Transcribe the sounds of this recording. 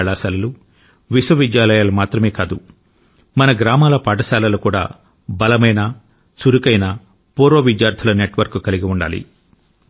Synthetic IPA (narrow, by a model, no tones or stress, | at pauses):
ɭaːsɐlɐlu | ʋiswɐʋid̪jaːlɐjaːlɐmaːt̪ɾɐme̞ːkaːd̪u | mɐnɐɡɾaːmaːlɐpaːʈɐsaːlɐlukuːɽa̰ː | bɐlɐmɐjnɐ | suɾukɐjnɐ | poːɾoːʋid̪jaːɾt̪ʰɐlɐneʈʋɐɾkukɐliɡiuɳɖa̰ːlḭ